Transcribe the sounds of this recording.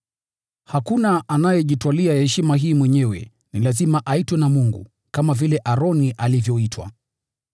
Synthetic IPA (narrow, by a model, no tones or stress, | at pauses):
hakunaʔanajɛʄitwaliahɛʃimaɦiːmwɛɲɛwɛ̰ | nilazimaʔaitwɛnamuŋɡṵ | kamavilɛʔaɾɔniʔalivjɔitʰwa̰